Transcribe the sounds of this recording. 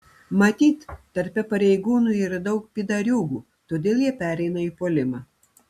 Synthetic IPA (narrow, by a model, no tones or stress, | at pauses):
mɐt̪ʲiːt̪ː | ɐɾʲpʲɛpɐɾʲɛɪɡuːnuiɾd̪ɐʊk̚pʲid̪ɐɾʲuːɡuː | t̪oːd̪ʲeːlˠjiɛpʲæːɾʲɛɪnɐiːpoːlʲɪmɑ